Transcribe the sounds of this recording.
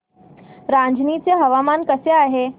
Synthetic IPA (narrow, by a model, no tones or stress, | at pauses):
ɾãnd͡ʑniːt͡seɦəʋamankəseaːɦe